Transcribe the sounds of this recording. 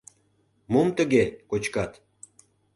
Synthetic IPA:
momt̪əɣekot͡ɕkɑt̪

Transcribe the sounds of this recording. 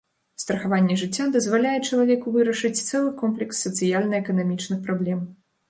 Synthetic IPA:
st̪ɾɐxavanʲːɛʐɨt͡sʲːad̪ɐzvalʲajɛt͡ʂɐlˠavʲɛkuvɨɾɐʂɨt͡sʲt̪sɛlˠɨkɔmplʲɛksːɐt̪sɨjalʲnɐɛkɐnamʲit͡ʂnɨxpɾablʲɛm

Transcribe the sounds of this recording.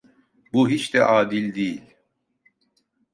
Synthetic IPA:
buɦit͡ʃt̪ɛ̰ʔaːd̪ilʲd̪ijilʲ

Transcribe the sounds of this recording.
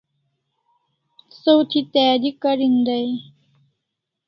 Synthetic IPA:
sowt̪ʰit̪ɛːd̪ikɐɾind̪ɐj

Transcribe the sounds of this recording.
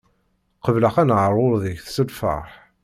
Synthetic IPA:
qəvləqænʕəɾˤːʊɾðəçθsəlfə̰ɾˤħ

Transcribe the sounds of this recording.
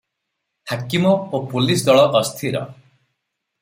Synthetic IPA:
hakimɔopulisd̪ɔɭɔʔːst̪ʰiɾɔ̰

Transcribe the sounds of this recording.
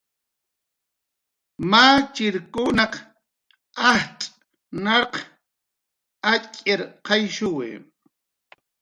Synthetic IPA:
maːt͡ʃɪɾkʊnɑq | ahtʼ | nɑɾq | acʼɪɾqɑjʃʊwɪ̰

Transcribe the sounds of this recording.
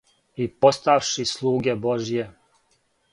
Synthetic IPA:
ipo̞st̪aʋʃislˠuːɡeboʒije

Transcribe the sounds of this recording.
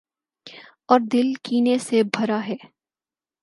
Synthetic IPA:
ɔːɾd̪ɪlkiːnesebʱɐɾaɦɛː

